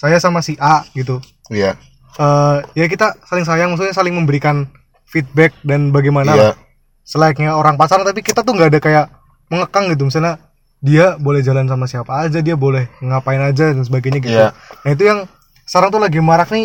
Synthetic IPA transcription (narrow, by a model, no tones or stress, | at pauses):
sajasamasiʔaʔɡit̪̬u | j | əjak̬it̪asalɪŋsajaŋmaksalɲasalɪŋməmbəɾikan | fit̪̚bɛk̚danbaɡajmana | səlak̚ɲaoɾaŋpat͡ʃaɾaŋt̪apikit̪at̪̬ʊhŋɡaːdakajaʔ | məŋəkaŋɡit̪̬umisalɲa | diabolɛhd͡ʒalans̬amasiapaːd͡ʒadiabolɛhməŋapaɪnad͡ʒadans̬əbaɡajɲaɡit̪unait̪̬ujaŋ | saɾaŋt̪uhlaɡimaɾakni